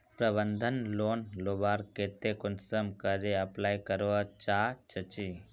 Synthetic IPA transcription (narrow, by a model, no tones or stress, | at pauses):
pɾɐbənd̪ʱənloːnlobaːɾkeːt̪ekʊnsəmkəɾeɐplaːjkəɾoat͡ʃaːt͡ʃət͡ʃi